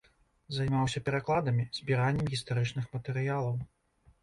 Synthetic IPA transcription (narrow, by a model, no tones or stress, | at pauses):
zajmawsʲɐpʲɛɾaklˠad̪ɐmʲiz̥ʲbʲiɾanʲːɛmɣʲist̪aɾɨt͡ʂnɨxmɐt̪ɛɾɨjalˠɐw